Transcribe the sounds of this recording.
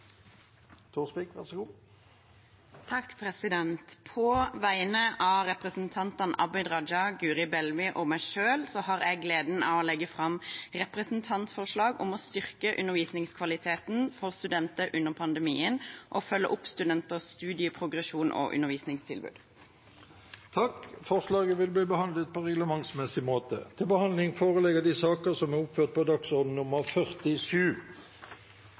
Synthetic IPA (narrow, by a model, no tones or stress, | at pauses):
t̪ʰuːspikʋæʁsəɡuː | t̪ʰɑkːpʰɾɛsɪd̪ɛnt̪pʰɔʋæɪənəʔɑʁɛpʁɛsn̩t̪ʰɑnt̪ɑnɑ̰bɪd̪ʁɑd͡ʒɑɡʉːʁɪbɛlʋɪʔɔmæɪʂøːlsɔhɑʁæɪɡleːd̪n̩ɑ̰ʋɔlɛɡːəfʁɑmʁɛpʁɛsnt̪ʰɑnt̪fɔʁʂlɑːɡʊ̰mɔst̪ʏʁkəʔʉnːəʁʋiːsnɪŋskʰʋɑlɪt̪ʰeːt̪nfɔʁst̪ʉd̪ɛnt̪əʔʉnːəʁpʰɑnd̪əmḭːənʔɔfœlːə̰ʔʊpst̪ʉd̪ɛnt̪əst̪ʉːd̪ɪəpʰʁʊɡʁɛʃuːnʔo̰ʔʉ̰nːəʁʋiːsnɪŋst̪ʰɪlbʉ̰ːd̪̥ | t̪ʰɑkfɔʁʂlɑːɡəʋɪlbliːbəhɑnd̪lət̪̚pʰɔʁɛɡləmɑŋsmɛsɪmoːt̪ə̰t̪ʰɪlbəhɑnd̪lɪŋfoːʁəlɛɡəd̪iːsɑːkəsɔmæʁʊpføːʁt̪̚pʰɔd̪ɑksɔd̪n̩nʊməʁfœʁt̪ɪʂʉː